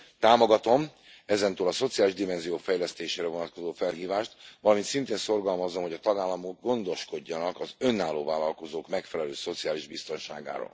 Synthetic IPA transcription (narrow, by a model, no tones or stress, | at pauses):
t̪aːmo̞ɡɒt̪o̞m | ɛzɛnt̪øːlɒso̞t̪sijaːliʒd̪imɛnzijoːfɛjlɛst̪eːʃeːɾɛvo̞nɒt̪̚ko̞zoːfɛlɦiːvaːʃt̪ʋɒlɒmint̪sint̪eːnso̞rɡɒlmɒzːomɦo̞ɟɒt̪ɒɡaːlːɒmoɡːo̞nd̪o̞ʃko̞ɟːɒnɒkɒzø̞nːaːlːoːvaːlɒlko̞zoːkmɛkfɛlɛløːso̞t̪siaːliʒbist̪o̞nʃa̰ːɡa̰ːɾo̰ːl